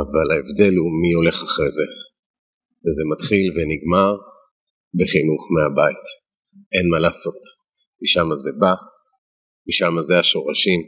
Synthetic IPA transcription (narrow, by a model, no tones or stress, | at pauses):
avalaevd̪e̞lhumio̞le̞χaχʁeze | vezemat̪χilveniɡmaʁ | beχinuχmeabait | ʔe̞nmalaːso̞t | miʃamazeba | miʃamazeaʃo̞ʁaʃim